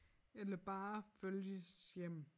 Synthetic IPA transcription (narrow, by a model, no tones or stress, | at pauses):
elɐb̥ɑːføljəsjem̰